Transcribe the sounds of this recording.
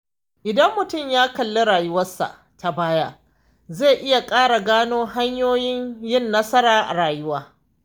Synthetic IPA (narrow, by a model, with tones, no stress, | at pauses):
ʔɪ˨dɐ˦mːʊ˨tʊ˦˨mjaː˦kɐ˨lːe˦ɽaː˨jʊ˦wɐ˦sːa̰˨ʔ | ta˨baː˦ja˦ | zeː˦˨ʔɪ˦ja˨kʼaː˦ɽa˨ɡaː˦noː˦ɦa˦ɲjoː˦jɪ˦ɲjɪ˦nːɐ˦sɐ˦ɾaː˨ʔa̰˨ɾaː˨jʊ˦waː˦